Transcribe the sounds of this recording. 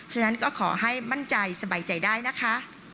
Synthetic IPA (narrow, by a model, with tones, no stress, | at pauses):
t͡ɕʰa˧na˦˥nkɔː˥˩kʰɔː˩˦ɦa˥˩jma˥˩nt͡ɕa˧jsa˧baː˨˩jt͡ɕa˨˩jdaː˥˩jna˦˥kʰa˦˥ʔ